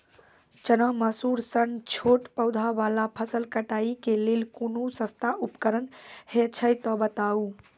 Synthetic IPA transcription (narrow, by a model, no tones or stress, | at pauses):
t͡ʃənəməsuɾsənt͡ʃʰoʈpəwd̪ʱaʋalapʰəsəlkəʈaikelelkonusə̃st̪ʰaʔupkəɾənhet͡ʃʰəjt̪ɔbət̪au